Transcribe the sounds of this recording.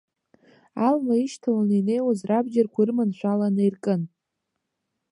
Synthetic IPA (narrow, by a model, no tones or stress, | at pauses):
almaiʃtʰalaninejwazrabd͡ʒarkʷʰaɨrmanʃʷᶣalanejrkʼɨn